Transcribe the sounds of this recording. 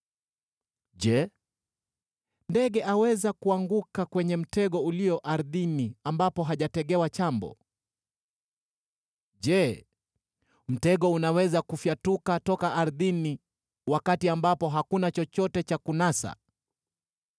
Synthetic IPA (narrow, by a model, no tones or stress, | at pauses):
ʄɛ | ndɛɠɛʔawɛzakuaŋɡukakwɛɲɛm̩tɛɠɔuliɔʔaɾðiniambapɔɦaʄatɛɠɛwat͡ʃambɔ̰ | ʄɛ | m̩tɛɠɔunawɛzakufjatukatɔkaʔaɾðini | wakatiambapɔɦakunat͡ʃɔt͡ʃɔtɛt͡ʃakunasa̰